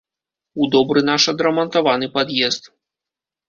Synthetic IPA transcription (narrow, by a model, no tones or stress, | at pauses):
ud̪ɔbɾɨnaʂɐd̪ɾɐmɐnt̪avanɨpad̪jɛst̪